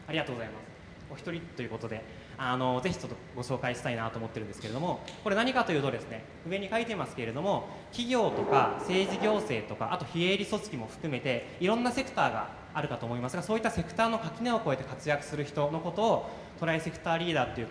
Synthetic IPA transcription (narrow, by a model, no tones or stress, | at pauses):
aɾʲiɡat̪oːɡo̞zaimasɨ̥ | oçʲi̥t̪o̞ɾʲit̪ːo̞jɯ̟ko̞t̪o̞d̪e̞ | ano̞ze̞çi̥t͡ɕot̪ːoɡo̞ɕo̞ːkaiɕi̥t̪ainat̪oːmo̞t̪ːeɾ̟nd̪eɨ̥ke̞ɾe̞d̪o̞mo̞koɾe̞naɲ̟ikat̪o̞jɯ̟ːt̪od̪e̞sɨne̞ | ɯ̟βe̞ɲ̟ikait̪eimasɨ̥ke̞ɾe̞d̪o̞mo̞ | kʲiɡʲo̞ːt̪o̞kase̞ːʑiɡʲo̞ːse̞ːt̪o̞ka̰ʔat̪o̞çie̞ɾʲiso̞t͡sɨ̥kʲimo̞ɸɯ̟̥kɯ̟me̞t̪e̞iɾõ̞nːase̞kɯ̟̥t̪aːɡa̰ː | ɾɯ̟kat̪o̞ːmo̞imasɨɡaso̞ːit̪ːase̞kɯ̟̥t̪aːno̞kakʲineoko̞e̞t̪e̞kat͡sɨjakɯ̟̥sɨɾɯ̟çi̥t̪o̞no̞ko̞t̪o̞ː | t̪o̞ɾaise̞kɯ̟̥t̪aːɾʲiːd̪aːt̪ːo̞jiɯ̟